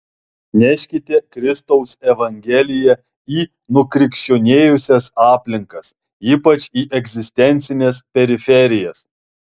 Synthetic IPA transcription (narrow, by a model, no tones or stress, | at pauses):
nʲæʃʲkʲɪt̪ʲɛkɾʲɪst̪ɔʊsɛʋɐŋʲɡʲɛlʲɪjɛ | iː | nʊkɾʲɪkʃʲt͡ʃʲoːnʲeːjʊsʲɛsɑːpʲlʲɪŋkɐs | iːpɐt͡ʃiːʔɛɡʲzʲɪsʲt̪ʲɛnʲt̪sʲɪnʲɛspʲɛɾʲɪfʲɛɾʲɪjɛs